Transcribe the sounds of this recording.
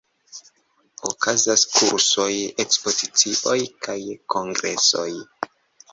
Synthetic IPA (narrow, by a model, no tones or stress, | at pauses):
okʰazaskʰuɾso̞jekspo̞zit͡siʔo̞jkʰajkʰo̞ŋɡɾe̞so̞̰j